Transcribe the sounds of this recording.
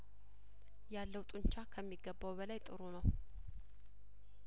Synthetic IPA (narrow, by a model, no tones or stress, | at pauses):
jalːəwt̪ʼuɲt͡ʃakʰəmːiɡːəbːawbəlajt̪ʼɨɾunəw